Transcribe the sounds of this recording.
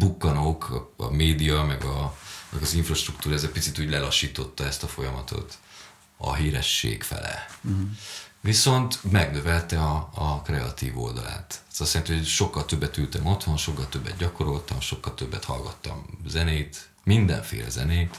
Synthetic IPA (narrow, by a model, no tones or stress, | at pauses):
bukːɒnoːkɒ̰meːd̪ijɒmɛɡɒmɛɡɒziɱfrɒʃt̪rukt̪uːɾɒɛzɛpit̪sit̪uːɟlɛlɒʃːiːt̪o̞t̪ːɒɛst̪ɒfo̞jɒmɒt̪ʰo̞̰t̪ | ɒ̰ɦiːɾɛʃːḛːkfɛ̰lɛ̰ | viso̞nt̪mɛɡnø̞vɛlt̪ɛɒɒkrɛɒt̪iːvo̞̰ld̪ɒla̰ːt̪ːt̪ɒsːiɛint̪ɛhoʃo̞kːɒlt̪øbːɛt̪ylt̪ɛmo̞t̪ho̞nʃo̞kːɒlt̪ø̞bːɛ̰d̪̚ɟɒko̞ɾo̞lt̪ɒmʃo̞kːɒlt̪øbːɛt̪hɒlɡɒt̪ːɒ̰mzɛneːt̪ | mind̪ɛ̰ɱfḛːlɛ̰zɛneːt̪